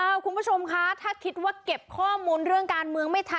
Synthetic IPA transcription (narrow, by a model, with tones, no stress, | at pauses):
ʔaː˧˩kʰu˧npu˥˩t͡ɕʰo˧mkʰa˦˥t̪ʰaː˥˩kʰi˦˥t̪̚waː˥˩ke˨˩p̚kʰɔː˥˩muː˧nɾɯ˥˩əŋkaː˧nmɯ˧əŋma˥˩jt̪ʰa˧